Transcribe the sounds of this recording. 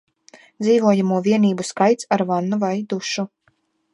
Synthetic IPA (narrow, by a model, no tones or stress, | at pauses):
d̪ziːvuɔjamuɔviɛniːbuskajt̪saɾvanːuvajd̪uʃu